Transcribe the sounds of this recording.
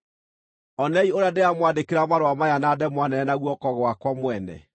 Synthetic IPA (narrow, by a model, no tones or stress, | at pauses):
ɔnɛioɾeadeamwandekeɾamaɾoamajanadɛmwanɛnaɣwɔkɔɣwakwamwɛnɛ̰